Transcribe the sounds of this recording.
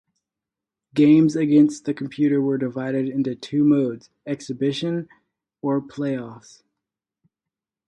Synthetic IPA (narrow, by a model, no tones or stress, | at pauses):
ɡ̥ẽɪ̃mzɨɡɛ̃nst̪̚ðɨkʰm̩pʰj̥ʉɾə˞wə˞dɨvaɪɾɨɾɪ̃ntʉtʰʉmoʊdz̥ | ɛksɨbɪʃɨ̃n | ə˞pʰl̥eɪɔfs